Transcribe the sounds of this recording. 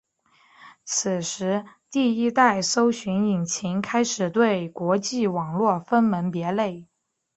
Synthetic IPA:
t͡s̩ʰ˨˩ʂɻ̩˧˥t̪i˥˩i˥t̪a˥˩ɪso˥ʊɕy˧˥ŋi˨˩ŋt͡ɕʰi˧˥ŋkʰa˥ɪʂɻ̩˨˩t̪we˥˩ɪkwɔ˧˥t͡ɕi˥˩wɑ˨˩ŋlwɔ˥˩fə˥nmə˧˥npjɛ˧˥le˥˩ɪ

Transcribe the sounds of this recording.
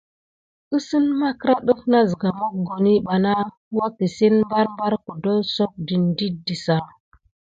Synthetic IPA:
ə˦sə˦nma˦kɾa˦ɗu˦fna˦zi˨ɡa˨mo˦k̚ɡo˨ni˦ɓa˨na˦ | wa˦ki˨si˦nm˦ba˦ɾmba˦ɾku˨do˦so˦k̚di˨ndi˦di˨sa˨

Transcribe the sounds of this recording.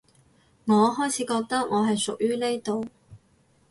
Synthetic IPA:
ŋɔː˨˧ɦɔː˥jt͡sʰiː˨˥kɔː˧k̚t̪ɐ˥k̚ŋʔɔː˨˧ɦɐ˨jsʊ˨k̚jyː˥ne˥jt̪o˨w

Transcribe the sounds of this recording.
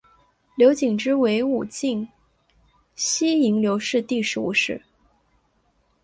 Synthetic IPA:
ljo˧˥ʊt͡ɕi˨˩ŋʈ͡ʂɻ̩˥we˧˥ɪu˨˩t͡ɕi˥˩ŋ | ɕi˥i˧˥ŋljo˧˥ʊʂɻ̩˥˧t̪i˥˩ʂɻ̩˧˥u˨˩ʂɻ̩˥˩

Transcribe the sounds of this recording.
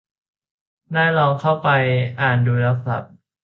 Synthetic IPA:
naː˥˩jlɔː˧ŋkʰa˥˩wpa˧jʔaː˨˩nduː˧la˧k̚sa̰˨˩p̚

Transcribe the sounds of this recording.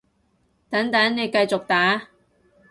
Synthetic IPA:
t̪ɐ˨˥ŋt̪ɐ˨˥ŋne˨˧jkɐ˧jt͡sʊ˨k̚t̪aː˨˥

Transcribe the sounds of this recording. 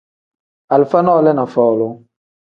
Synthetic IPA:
a˨lfa˦nɔ˦lɛ˦nã˨fɔ˨lʊ˦

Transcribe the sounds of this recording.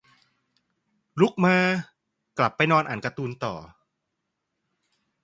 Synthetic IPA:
ɾu˦˥k̚maː˧ | kla˨˩pːa˧jnɔː˧nʔaː˨˩nka˧t̪uː˧nt̪ɔ̰ː˨˩

